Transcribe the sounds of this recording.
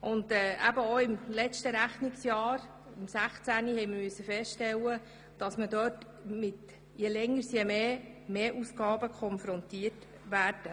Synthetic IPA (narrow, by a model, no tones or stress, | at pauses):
ʔʊndɛːʔæbəoɪmlɛt͡ʃtəɾæχniksjɑːɾ | ɪmsæχt͡sænihɛjməmyəsːəfɛstʃtɛlːə | d̥ɑsmədøːt | mɪt | jɛlɛŋːəɾsjɛmeːmeːʔusɡɑːbəkʰχɔnfɾɔntiət | ʋæːɾd̥ə